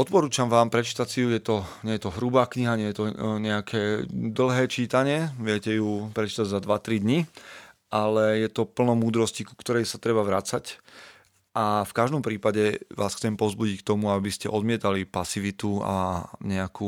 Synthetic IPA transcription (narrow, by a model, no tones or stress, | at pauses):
ɔt̪̚pɔɾuːt͡ʃamʋaːmpɾɛt͡ʃi̥t̪acsijujɛt̪ɔɲɛjɛt̪ɔɦɾubaːkɲiɦaɲɛjɛt̪ɔɲɛakʰɛːd̪l̩ˠɦɛːt͡ʃiːt̪aɲɪɛʋɪɛcɛjupɾɛt͡ʃi̥t̪aɟzad̪ʋat̪ɾid̪ɲiʔalɛjɛt̪ɔpl̩nɔmuːd̪ɾɔsciku̥kt̪ɔɾɛjsat̪ɾɛbaʋɾat͡sac | ʔafkaʒd̪ɔmpɾiːpaɟɛʋaːsxt͡sɛmpɔzbuɟick̚t̪ɔmuabiscɛʔɔd̪mɪɛt̪alipasiʋit̪ua̰ɲɛakuː